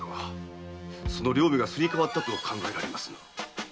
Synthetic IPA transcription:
a | so̞no̞ɾʲo̞ːbʲiɡasɨɾʲikaβat̪ːat̪ookʰãŋɡaeɾaɾe̞masɨ̥

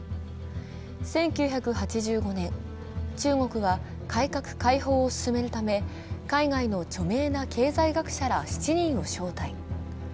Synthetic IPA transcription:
sẽ̞ŋkʲɨːçakɯ̟hat͡ɕiʑɨːɡo̞nẽ̞ŋ | t͡ɕɨːŋo̞kɯ̟ɡa | kʰaikakɯ̟̥kaiɦo̞ːsɨ̥sɨme̞ɾɯ̟t̪ame̞ | kaiɡaino̞t͡ɕo̞me̞ːnakʰe̞ːzaiɡakɯ̟̥ɕaɾaɕi̥t͡ɕiɲ̟ĩɰ̃o̞ɕo̞ːt̪ai

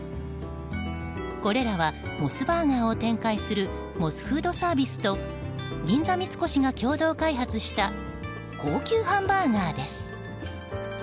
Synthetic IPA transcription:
ko̞ɾe̞ɾaβamo̞sɨbaːŋaːo̞t̪ẽ̞ŋkaisɨɾɯ̟ | mo̞sɨ̥ɸɯ̟ːd̪o̞saːbʲisɨ̥t̪o̞ | ɡʲĩnd͡zamʲit͡sɨ̥ko̞ɕiŋakʲo̞ːd̪o̞ːkaiɦat͡sɨɕi̥t̪a | ko̞ːkʲɨːhãmbaːŋaːd̪e̞sɨ̥

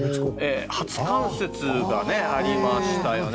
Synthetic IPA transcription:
eːhat͡sɨ̥kãɰ̃se̞t͡sɨɡane̞aɾʲimaɕi̥t̪ajo̞n

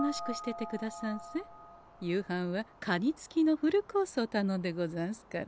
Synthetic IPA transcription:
moɕi̥kɯ̟ɕi̥t̪e̞t̪e̞kɯ̟d̪asãɰ̃se | jɯːhãɰ̃βakʰaɲʲit͡sɨ̥kʲino̞ɸɯ̟ɾɯ̟ko̞ːsoːt̪anõ̞nd̪e̞ɡo̞zãɰ̃sɨ̥kaɾ

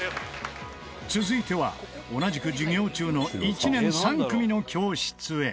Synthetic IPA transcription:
t͡sɨzɨit̪e̞βa̰ | o̞naʑikɯ̟d͡ʑiɡʲo̞ːt͡ɕɨːno̞it͡ɕinẽ̞ɰ̃sãŋkɯ̟mʲino̞kʲo̞ːɕi̥t͡sɨe̞

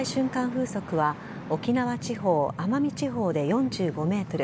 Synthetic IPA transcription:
iɕɨ̃ŋkãɰ̃ɸɯ̟ːso̞kɯ̟βa | o̞kʲinaβat͡ɕiɦo̞ːamamʲit͡ɕiɦo̞ːd̪e̞jõ̞ɲd͡ʑɨːɡo̞me̞ːt̪o̞ɾɯ̟

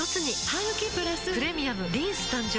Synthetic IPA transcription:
jot͡sɨɲ̟ihajɯkʲipɯ̟ɾasɨɯ̟ɾe̞mʲiamɯɾʲĩːsɨ̥t̪ãɲd͡ʑ

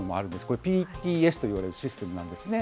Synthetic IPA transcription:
omo̰a̰ɾɯ̟nd̪e̞sɨ̥koepʲiːt̪ʲiːesɨ̥t̪o̞iβaɾe̞ɾɯ̟ɕisɨ̥t̪e̞mɯ̟nãnd̪e̞sɨne

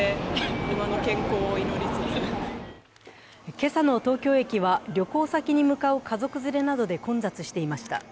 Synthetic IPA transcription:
ɯmano̞kẽ̞ŋko̞ːino̞ɾʲit͡sɨt͡sɨ | ke̞sano̞t̪o̞ːkʲo̞ːe̞kʲiβaɾʲo̞ko̞ːsakʲiɲ̟imɯ̟kaɯ̟kazo̞kɯ̟zɨɾe̞nad̪o̞d̪e̞kõ̞nd͡zat͡sɨɕi̥t̪e̞imaɕi̥t̪a̰

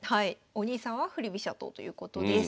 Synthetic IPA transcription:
hai | o̞ɲ̟iːsãɰ̃βaɸɯ̟ɾɯbʲiɕat̪o̞̰ːt̪o̞jɯ̟̰ːko̞t̪o̞d̪e

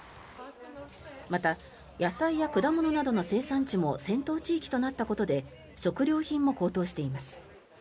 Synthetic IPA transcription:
mat̪a | jasaijakɯ̟d̪amo̞no̞nad̪o̞no̞se̞ːsãɲ̟t͡ɕimo̞sẽ̞nt̪o̞ːt͡ɕiːkʲi̥t̪o̞nat̪ːako̞t̪o̞d̪e̞ | ɕo̞kɯ̟ɾʲo̞ːçĩmːo̞ko̞ːt̪o̞ːɕi̥t̪e̞imasɨ̥

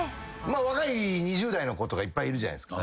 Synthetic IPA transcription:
maβakaiɲ̟iʑɨːd̪aino̞ko̞t̪o̞ɡaipːaiiɾɯ̟ʑana̰j̪sɨ̥ka

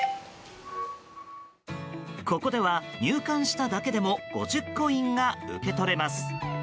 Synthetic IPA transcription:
ko̞ko̞d̪e̞β̞aɲʲɨːkãɰ̃ɕi̥t̪ad̪ake̞d̪e̞mo̞ɡ̥o̞̰ʑɨkːo̞ĩŋɡaɯ̰ke̞t̪o̞ɾe̞masɨ̥

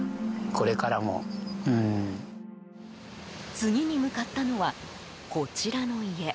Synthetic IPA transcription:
kʰo̞ɾe̞kaɾamo̰ɯ̃ː | t͡sɨŋ̟ʲiɲ̟imɯ̟kat̪ːano̞βa | ko̞t͡ɕiɾano̞ie̞

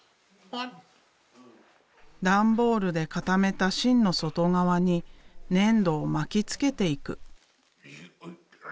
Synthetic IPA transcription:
d̪ãmbo̞ːɾɯ̟d̪e̞kat̪ame̞t̪aɕĩnːo̞so̞t̪o̞ŋaβaɲ̟inẽ̞nd̪o̞ːmakʲit͡sɨ̥ke̞t̪e̞ikɯ̟̰

